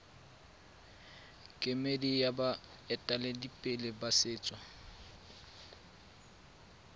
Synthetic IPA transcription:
kʼɪmedijaba | ɛtʼaledipʼɪlɪbasɪːt͡sʼwa

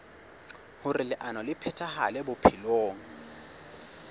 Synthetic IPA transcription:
hʊrɪlɪʔanɔlɪpʰɛtʰahalɛbʊpʰɪloːŋ̩

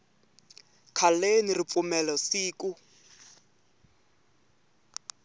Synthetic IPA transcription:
kʰalenirip̪fumɛlɔsiːku

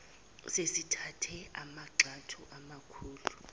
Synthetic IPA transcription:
sesitʰatʰɛamaǁatʰuʔamakʰuːlu

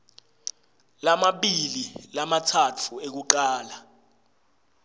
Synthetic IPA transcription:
lamaɓililamatʰat͡fʰuek̬uǃaːla

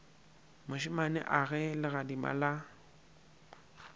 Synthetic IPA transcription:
mʊʃɪmanɛ̰ʔaɣɛlɪɣadima̰la

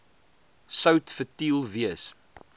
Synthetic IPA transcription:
sœwtfətilˠviəs

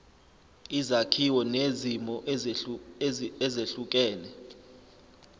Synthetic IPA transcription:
izakʰiwɔnezimɔ | ɛzeɬuk̬ʼɛːlɛ

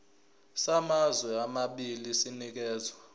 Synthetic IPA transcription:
samazwɛamaɓilisinik̬ɛːzwa

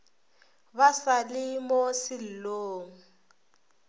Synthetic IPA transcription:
basalɪmɔsɪl̩loːŋ̩

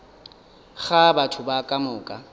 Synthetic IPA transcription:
χabatʰʊbakʼamʊːkʼa

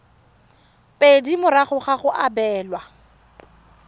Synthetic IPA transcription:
pʼedimʊɾaχʊχaχʊʔabɛːlwa

